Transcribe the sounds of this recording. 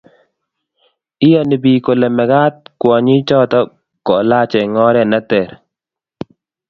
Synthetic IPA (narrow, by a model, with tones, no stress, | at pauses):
ɪ˦ja˦nɪ˨bi˨ko˨lɛ˨mɛ˨ɡa˦t̪̚kwɔ˨ɲɪ˦t͡ʃɔ˦t̪ɔ˦ | kɔ˨la˦t͡ʃɛ˨ŋɔ˦ɾɛ˦na˦t̪ɛ˨ɾ